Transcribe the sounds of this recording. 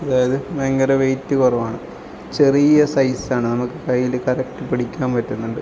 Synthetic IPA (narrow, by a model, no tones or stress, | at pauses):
ɐðaːjɐðɨmeŋɡɐɾɐʋe̞jtːɨkurɐʋaːɳɨ | t͡ɕe̞rijɐsɐjsaːɳɨnɐmukːɨkɐjːilkɐɾɐk̚ʈɨpiɽikʲːaːmpɐtːunːuɳɖɨ